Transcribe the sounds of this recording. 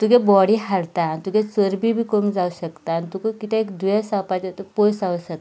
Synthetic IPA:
t̪ukebɔɽiɦaɽt̪aːñit̪ukẽt͡səɾbʱibʱiːkomd͡zauɕəkt̪aːñit̪ukəkit̪eekd̪ʱujasapat͡ɕet̪əpojsauɕək̚a

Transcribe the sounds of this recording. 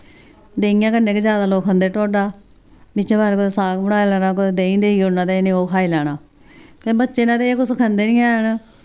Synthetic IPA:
d̪eːɪjãːkənːeːked͡ʒjaːd̪aːloːkʰãnd̪eːʈoːɖaː | bɪt͡ʃẽːbaːɾkʊt̪eːsaːkbəɽaːaːlɛːnaːk̬ʊd̪eːd̪ẽːĩːnd̪eːiʊnːãːt̪eːnẽːoːkʰaːiːlɛːɽaː | t̪eːbətːʃeːnãːt̪eːeːkʊskʰənd̪eːnĩːãːɦən

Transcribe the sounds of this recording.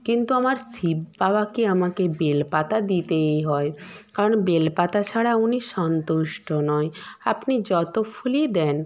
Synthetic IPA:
kint̪uamaɾsibbabakiamakebelpat̪ad̪it̪ejɦɔekaɾonbelpat̪at͡ɕʰaɽauniʃɔnt̪uʃʈonɔeapnid͡ʑɔt̪opʰulid̪ɛn

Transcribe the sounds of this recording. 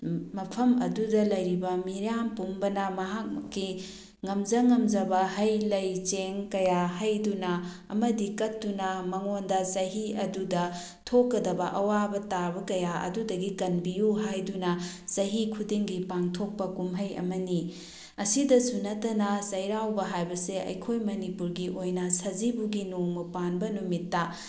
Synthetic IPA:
mɐpʰɐmɐdudɐlɐjɾibɐmiɾjampumbɐnɐmɐɦak̚kːi | ŋɐmd͡ʒɐŋɐmd͡ʒɐbɐhɐjlɐjt͡ʃeŋkɐjaɦajdunɐː | mɐdikɐtːunɐmɐŋondɐsɐɦiɐdudɐ | tʰokːɐdɐbɐʔɐwabɐtabɐkɐjaʔɐ̰dudɐɡikɐnbijuɦajdunɐsɐɦikʰudiŋɡipaŋtʰok̚pɐkumɦɐjɐ̰mɐni | ɐsidɐsunɐtɐnɐsɐjɾawbɐɦajbɐseɐ̰jkʰojmɐnipuɾɡiʔojnɐsɐzibuɡinoŋmɐpanbɐnumitːɐ

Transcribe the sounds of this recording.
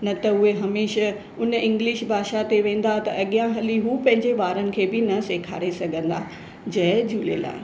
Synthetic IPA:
nɐt̪ɐʊɦeɦɐmeːʃə | ʊnɪ̃ŋɡlɪʃbʱaːʃat̪eʋẽːn̆d̪aɦt̪ɐɐɠijãɦɐliɦuːpɐ̃ɦɪ̃ɲd͡ʑeʋaːɾənɪ̆kʰeːbɪnɐseːkʰa̰ːɾesɐɡʱə̃nd̪aː | d͡ʑɐd͡ʑuːlḛla̰ːɦɪ

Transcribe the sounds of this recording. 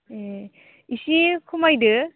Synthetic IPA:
e | isikʰumajdɯ

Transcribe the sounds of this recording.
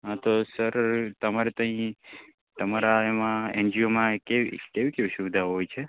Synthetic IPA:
ɦãt̪osəɾt̪əmaɾet̪ə̃ɦĩ | t̪əmaɾaemãḛnd͡ʒiomãkeʋḭkeʋikeʋiʃubd̪ʱaɦojt͡ʃʰe

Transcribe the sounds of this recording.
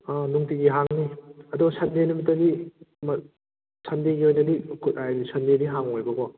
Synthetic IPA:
anuŋtiɡiɦaŋniɐdɔsandenumitːadim | sandeɡiojnɐdiknisɐndediɦaŋojbɐɡɔ

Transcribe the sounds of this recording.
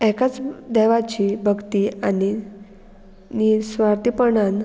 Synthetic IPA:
ɛkat͡sd̪ɛʋat͡ɕiːbʱəɡt̪iani | nisʋaɾt̪ipəɳan

